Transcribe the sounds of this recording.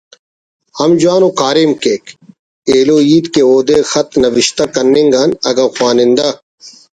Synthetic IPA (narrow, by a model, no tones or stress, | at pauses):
hɐmd͡ʒwaːnoːkaːɾeːmkeːk | eːloːiːd̪keoːd̪eːxɐt̪nɐʋɪʃt̪akɐnːiŋɡanɐɡɐwxwaːnɪnd̪a